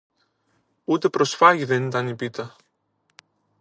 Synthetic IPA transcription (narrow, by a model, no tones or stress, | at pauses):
ut̪e̞pɾo̞sfɐʝiðe̞nit̪ɐnipit̪ɐ